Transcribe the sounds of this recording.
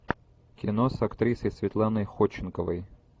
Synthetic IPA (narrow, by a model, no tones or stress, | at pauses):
kʲɪnosɐkt̪ɾʲisəjsʲvʲɪt̪lˠanəjxot͡ɕːɪnkəvəj